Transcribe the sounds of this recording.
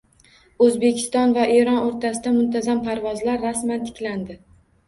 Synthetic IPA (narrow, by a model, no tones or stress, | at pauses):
ɵzbe̞kʲʰɪ̥st̪ɒnvaʔeɾɒnoɾt̪ʰasɪd̪amʊnt̪ʰazampʰaɾvɒzlaɾːasmant̪ʰɪ̥kʲland̪ɪ